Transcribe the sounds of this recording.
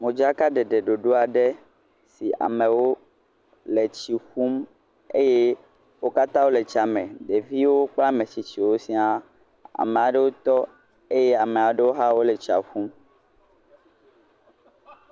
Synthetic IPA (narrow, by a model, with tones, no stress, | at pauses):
mõ˨d͡ʒa˦ka˦ɖɛ˨ɖe˨ɖo˨ɖo˦a˨ɖe˦ | si˨a̰˨mẽ˨wo˦ | le˨t͡ɕi˨xu˦m | e˦je˦ | wo˦ka˦t̪ã˦wo˦le˨t͡ʃa˨mɛ̃˨ɖe˨vi˦wo˦k͡pla˦mẽ˨t͡ɕi˨t͡ɕi˨wo˦sĩ˦a˦ | a̰˨mẽ˨a˨ɖe˦wo˦t̪ɔ˦ | e˦je˦a˨mẽ˨a˨ɖe˦wo˦ɦa˦wo˦le˨t͡ʃi˨a̰˨ɸu˦m